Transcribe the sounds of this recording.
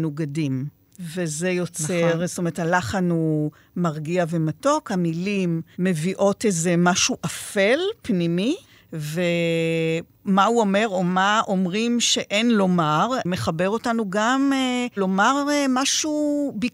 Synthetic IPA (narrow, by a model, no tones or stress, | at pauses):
nuɡadim | vezejot͡seʁstomeethalaχanu | maʁɡiavemato̞khamilimːe̞viʔo̞tezemaʃuʔafe̞lpnimi | ve | mauome̞ʁo̞maʔo̞mʁimʃe̞ʔe̞nlo̞maʁmeχabeʁo̞tanuɡamelo̞maʁmaʃubi